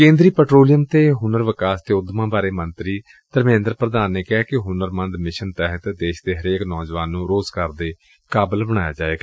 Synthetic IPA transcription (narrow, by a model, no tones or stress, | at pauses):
kẽːnd̪ɾiːpɛːʈɾoːlijəmt̪eːɦʊnəɾʋɪkaːst̪eːʊd̪mãːbaːɾeːmənt̪ɾiː | t̪əɾmẽːnd̪ɾpɾəd̪aːnːeːkɛːkɪɦʊnəɾmə̃nd̪mɪʃənt̪ɛɦət̪d̪eːʃd̪eːɦəɾeːknɔːd͡ʒʋaːnːũːɾoːzkəɾd̪eː | kaːbəlbəɽ̃aːja̰ːd͡ʒaːeːɡa